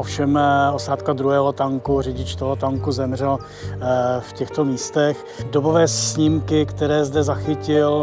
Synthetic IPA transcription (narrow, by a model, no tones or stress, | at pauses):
ʔofʃɛmosaːt̪kad̪ɾuɦɛːɦot̪aŋkurɛɟɪt͡ʃt̪olot̪aŋkuzɛmr̝ɛl | fcɛxt̪o̞miːst̪ɛx | dobovɛːsɲɪmkɪkt̪ɛɾɛːzdɛzaxɪcɪl